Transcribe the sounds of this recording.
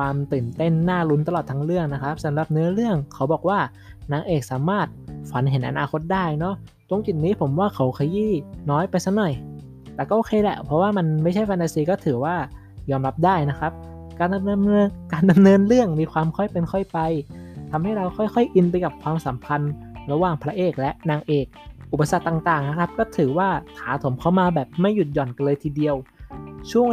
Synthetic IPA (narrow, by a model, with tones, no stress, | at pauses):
kwaː˧mt̪ɯː˨˩nt̪e˥˩nːaː˥˩ɾu˧˦˥nt̪a˧lɔː˨˩t̪ʰa˧ŋɾɯ˥˩əŋna˦˥kʰa˦˥p̚sa˨˦mɾa˨˩p̚nɯ˦˥ɐɾɯ˥˩əŋkʰa˨˦wbɔː˨˩k̚waː˥˩ | naː˨˧˩ŋʔeː˨˩k̚saː˩˦maː˥˩t̪̚fa˩˦nɦe˩˦nʔa̰˧naː˧kʰo˦˥t̪̚daː˥˩jnɔ˦˥ | t̪o˧ŋt͡ɕi˨˩t̪̚niː˦˥pʰo˩˦mwaː˥˩kʰa˨˦wkʰa˧jiː˥˩nɔː˦˥jpa˧jsa˦˥nɔ˨˩j | t̪ɛː˨˩kɔː˥˩ʔoː˨˩kʰeː˧lɛ̰˧˩pʰɾɔ˦˥waː˥˩ma˧nma˥˩t͡ɕʰa˥˩jfɛː˧nt̪aː˧siː˧kɔː˥˩t̪ʰɯː˩˦waː˥˩ | jɔː˧mɾa˦˥p̚daː˥˩jna˦˥kʰɾa˦˥p̚ | kaː˧nda˧mɤː˧mɤː˧nkaː˧nda˧mnɤː˧nɾɯ˥˩əŋmiː˧kʰwaː˧mkʰɔ˥˩jpe˧nkʰɔ˥˩jpa˧jt̪ʰa˧mha˥˩jɾa˧wxʰɔ˥˩jxʰɔ˥˩jʔi˧npa˧jka˨˩p̚kʰwaː˧msa˩˦mpʰa˧nɾa˧waː˨˩ŋpʰɾa˦˧ʔeː˨˩k̚lɛ˦˥ʔnaː˧ŋʔeː˨˩k̚ʔu˨˩pːa˧sa˨˩t̪t̪ːaː˨˩ŋt̪aː˨˩ŋna˦˥kʰa˦˥p̚kɔː˥˩t̪ʰɯː˩˦waː˥˩kʰaː˩˦t̪ʰo˩˦mkʰa˦˥˩wmaː˧bɛː˨˩p̚ma˥˩jːu˨˩t̪̚jɔː˨˩nka˧nlɤː˧jt̪ʰiː˧di˧əwt͡ɕʰu˥˩əŋ